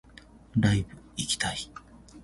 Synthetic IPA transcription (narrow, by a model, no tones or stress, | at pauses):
dajbɯikʲi̥t̪ʰai